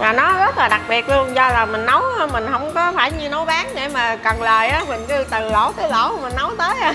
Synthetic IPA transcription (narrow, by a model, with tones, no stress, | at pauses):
maː˨˩nɔ˨˦zə˦˥t̚laː˨˩ɗa˨˩k̚ɓi˨˩ət̚lu˧ənzɔ˧laː˨˩mï˨˩ŋ̟nə˨˦wmï˨˩ŋ̟hə˧wŋ͡mkɔ˨˦faː˧˩jɲɨ˧no˨˦wɓaː˨˦nɗe˧˩maː˨˩kə˨˩nləː˨˩jʔaː˨˦mï˨˩ŋ̟kɨ˧t̪ɨ˨˩lo̰˧˩t̪əː˨˦lo̰˧˩mï˨˩ŋ̟nə˨˦wt̪əː˨˦j